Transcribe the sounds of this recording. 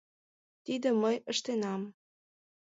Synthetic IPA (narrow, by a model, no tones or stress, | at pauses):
t̪id̪ə̆məjəʃt̪enɑm